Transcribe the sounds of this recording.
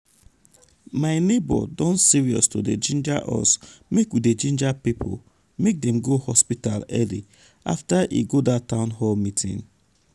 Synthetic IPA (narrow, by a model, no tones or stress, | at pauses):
maɪnebɔ̰dɔ̃nsiɹiɔstoded͡ʒĩnd͡ʒaʔɔ̰smekwided͡ʒĩnd͡ʒapipʰo̰ | mek̚dɛ̃mɡohɔspitalɛlḭ | a̰ftaʔḭɡodatãʊ̃nɦɔlmitʰḭ̃n